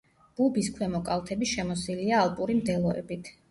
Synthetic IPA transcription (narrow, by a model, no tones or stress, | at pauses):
b̥ubiskʰwɛmɔkʼalt̪ʰɛbiʃɛmɔsiliaːlˠpʼuɾimd̪ɛlˠɔɛ̰bit̪ʰ